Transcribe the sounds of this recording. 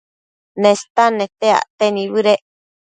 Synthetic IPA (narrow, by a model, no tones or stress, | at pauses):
nẽst̪anẽt̪ea̰t̪enĩβɨɾeʔ